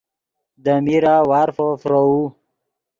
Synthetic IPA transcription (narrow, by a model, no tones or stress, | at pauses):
d̪əmiɾawaːɾfofɾou